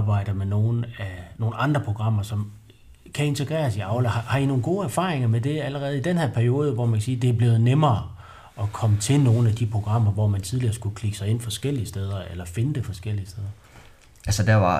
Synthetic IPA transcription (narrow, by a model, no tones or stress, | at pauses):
b̥ɑ̈ɪ̰d̥ɐmeno̝ːn̩æno̝ːn̩ɑ̈nd̥ʁɐpʰʁo̝ɡ̥ʁɑ̈m̰ɐsɒ̽m | kʰæe̝nt͡sʰe̝ɡ̥ʁɛ̰ːɐsiɑ̈ʊləɑhɑ̈ino̝ːn̩ɡ̥o̝ːæɐfɑ̈ːʁeŋɐmed̥e̝æləʁɛːð̞̩ˠid̥enhæɐ̰pʰæɐio̝ːð̞ˠʋɒ̰mænkʰæsiːd̥e̝æɐb̥le̝ːʊð̞̩ˠnemɐː | ɒ̽kʰɒ̽mət͡sʰe̝lno̝ːn̩æd̥ipʰʁo̝ɡ̥ʁɑ̈m̰ɐʋɒ̰mænt͡sʰið̞ˠliɐsɡ̥ukʰliɡ̥əsɑ̈ɪe̝n̰fɒ̽sɡ̥el̰iəsd̥eːð̞ˠɐelɐfe̝nəd̥e̝fɒ̽sɡ̥el̰iəsd̥eð̞ˠɐ | ʔælsəd̥æʋɑ